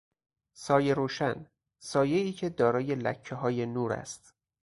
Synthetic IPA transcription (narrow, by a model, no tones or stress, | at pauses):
sɒːje̞ɾoːʃæn | sɒːje̞iːcʰe̞d̪ɒːɾɒːje̞læ̰cʰːeɦɒːje̞nuːɾæ̰st̪